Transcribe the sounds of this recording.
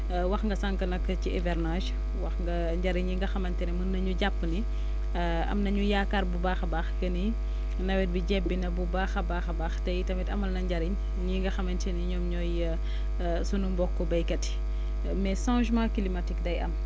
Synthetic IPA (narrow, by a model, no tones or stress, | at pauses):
wɐxŋɡɐsaŋkɐnɐkːəciɛvɛrnaʃ | wɐxŋɡɐ | ɲɟɐɾiɲɲiŋɡɐxɐmɐntɛnɛmənːɐɲuɟapːni | ɐ̰mnɐɲujaːkarbubaːxɐbaːxkɐni | nɐwɛt̚biɟɛbːinɐbubaːxɐbaːxɐbaːxtɐjtɐmɛtɐmɐlnɐɲɟɐɾiɲ | ɲiŋɡɐxɐmɐntɛniɲɔːmɲɔj | sunumbɔkːɔbɐjkɐti̥ | mɛsɔ̃ːʒmãːkilimɐtikdɐjɐm